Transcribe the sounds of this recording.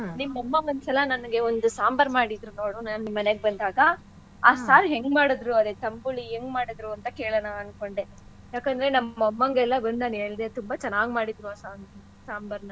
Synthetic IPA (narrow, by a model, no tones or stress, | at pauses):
nimːɐmːɐŋɡɐnt̪sɐlɐnɐnɐɡe̞ond̪usaːmbɐɾmaːɽid̪ɾuno̞ːɽunaːnunimːɐneɡebɐnd̪aːɡɐ | aːsaːɾɦeŋɡmaːɽɐd̪ɾuɐd̪et̪ɐmbuɭiɦeŋɡmaːɽid̪ɾuɐnt̪ɐkeːɭɐnaɐnko̞ɳɖe | jaːkɐnd̪ɐɾe̞nɐmːɐɐmːɐŋɡɛlːɐbɐnaːneːɭid̪et̪umbɐt͡ʃɛnːaːɡmaːɽid̪ɾuaːsaːn | saːmbɐɾnɐ